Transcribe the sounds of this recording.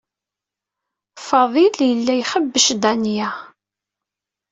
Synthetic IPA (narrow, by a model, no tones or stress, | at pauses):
fɑðˤiljəlːæjχəbːəʃd̪ænjæ